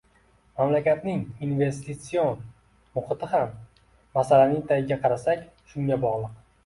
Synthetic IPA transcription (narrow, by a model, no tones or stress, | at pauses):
mamlakʲat̪nɪŋinve̞st̪it̪sijon | mʊχɨt̪ɪhamː | asalanɪŋt̪ʰajɪɡʲaqʰɑɾasakʲ | ʃʊŋjabɒʁlˠɨq